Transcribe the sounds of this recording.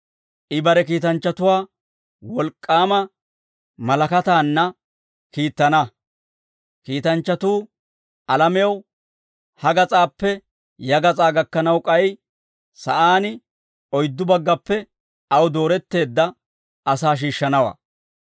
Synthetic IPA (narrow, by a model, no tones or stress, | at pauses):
ʔɪbɐɾɛkiːt̪ɐnt͡ʃːɐt̪ʊwaː | wɔlkʼːaːmɐ | mɐlɐkɐt̪aːnːɐ | kiːt̪ːɐnɐ | kiːt̪ɐnt͡ʃːɐt̪uː | ʔɐlɐmɛɐw | hɐɡɐt͡sʼaːpːɛ | jɐɡɐt͡sʼaːɡɐkːɐnɐwkʼɐj | sɐʔaːnɪ | ɔjd̪ːʊbɐɡːɐpːɛ | ɐwd̪o̞ːɾɛt̪ːe̞ːd̪ːɐ | ʔɐsaːʃ̬iːʃːɐnɐwa̰ː